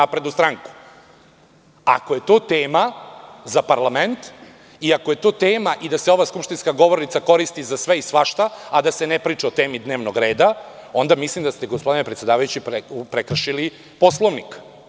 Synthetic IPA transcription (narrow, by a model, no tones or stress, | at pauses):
apɾed̪nust̪ɾaŋku̥ | a̰ko̞je̞t̪oːt̪eːmazapaɾlˠament̪ | iakoje̞t̪oːt̪eːmaʔid̪aseo̞ʋaːskupʃt̪inskaɡo̞ʋo̞ɾnit̪sako̞ɾist̪izasʋeisʋaʃt̪aad̪asenepɾiːt͡ʂeot̪e̞ːmid̪ne̞ːʋnoɡɾe̞ːd̪ao̞nd̪amislˠimd̪ast̪eɡospod̪inepɾet̪sʲe̞d̪aːʋajut͡ɕippɾekr̩ʃili | po̞slˠoʋnik